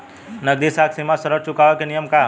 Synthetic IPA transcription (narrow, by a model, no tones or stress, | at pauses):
nɐɡd̪isaːksinmasɐɾəɾt͡ʃʊkaːʋakenijəmkaː